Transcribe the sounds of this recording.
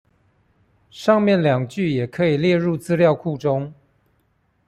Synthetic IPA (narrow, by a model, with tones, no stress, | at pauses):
ʂɑ˥˧ŋmjɛ˥˨˩nljɑ˨˩ŋt͡ɕy˥˨jɛ˨˩kʰɤ˧˥i˨˩ljɛ˥˧ɻu˥˨t͡sɹ̩˥ljɑ˥˧ʊkʰu˥˨ʈ͡ʂʊ˥ŋ